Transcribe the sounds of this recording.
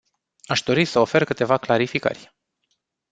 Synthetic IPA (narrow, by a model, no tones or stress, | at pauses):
aʃd̪o̞ɾisəo̞fe̞rkɨt̪e̞vaklaɾifikə̰rʲ